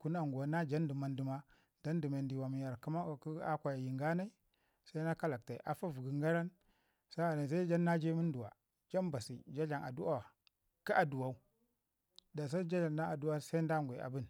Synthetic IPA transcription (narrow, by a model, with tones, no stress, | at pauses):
ku˦na˦ŋɡu˨a˨na˦d͡ʒa˦ndi˨ma˨ndi˨ma˦ | da˦ndi˨ma˨ndi˨wa˨mi˨ja˨ɾki˦ma˦˨ku˦a˦kʷa˨ja˨ji˨ŋɡa˦na˦i˦ | sa˦i˦na˦ka˦la˨k̚ta˨ʔa˨fa˦vu˨ɡi˨ŋɡa˦ɾa˦n | sa˦a˨na˨s̬a˦i˦d͡ʒa˦nːa˦d͡ʒe˦mu˦n˦du˨wa̰˨ | d͡ʒa˦nba˨sḭ˨d͡ʒa˦ɮa˨na̰˨du˦a˨ | ka˦ʔa˨du˨wa˦u˦ | da˨s̬a˦d͡ʒa˦d͡ʒa˨nda˦na˨du˦wa˦sa˦i˦nda˦ŋɡʷe˨a̰˨bu˦n